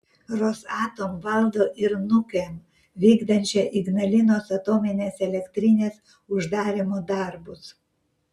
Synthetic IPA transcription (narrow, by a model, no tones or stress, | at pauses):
ɾosɑːt̪omʋɐlˠd̪oːʔɪɾnʊkʲem | ʋʲiːɡd̪ɐnʲt͡ʃʲɛʔɪɡnɐlʲɪnoːsɐt̪oːmʲɪnʲeːsɛlʲɛkʲt̪ʲɾʲɪnʲeːs | ʊʒd̪ɑːɾʲemoːd̪ɑɾbʊs